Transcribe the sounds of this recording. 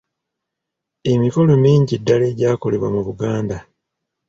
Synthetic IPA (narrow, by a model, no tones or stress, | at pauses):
e̞mifo̞lomiːɲɟidːale̞ːɟaːko̞le̞βwa̰muβuɡaːnda